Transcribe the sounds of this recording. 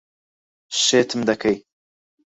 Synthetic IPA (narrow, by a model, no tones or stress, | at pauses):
ʃeːt̪ʰɨmd̪ɐkʰɐj